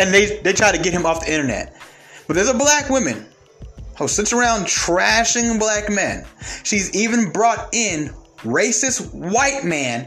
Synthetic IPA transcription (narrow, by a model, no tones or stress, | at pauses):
ɨ̃nðeɪðeɪtʰɹ̥aɪɾɨɡɛt̚hɨ̃mɔfðiɪ̃ɾ̃ə˞nɛ̰t̚ | b̥ʌt̪̚ðə˞zəblækwʊ̃mɨ̰̃n | hosɪtsə˞ãʊ̃ntʰɹ̥æʃɪ̃ŋblækmæ̰̃nʃizivɨ̃nbɹɔɾɪ̃nɹeɪsɨswaɪt̚mæ̃n